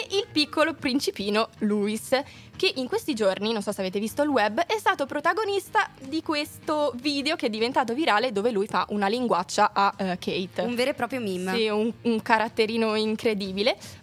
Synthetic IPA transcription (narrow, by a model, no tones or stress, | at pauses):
eʔilpikʰːolopɾint͡ʃipiːnoluːis | keʔiŋkwest̪id͡ʒorninonsɔsːeaveːt̪evist̪oilwɛbːɛst̪aːt̪opɾot̪aɡonist̪ad̪ikwest̪oviːd̪eokeɛd̪ːivent̪aːt̪̬oviɾaːled̪oːvelujfa̰ʔunaliŋɡwat͡ʃːaʔakʰːejt̪uɱveːɾepɾɔːpɾjomimːsiuŋuŋkaɾat̪ːeɾiːnoiŋkɾed̪iːbile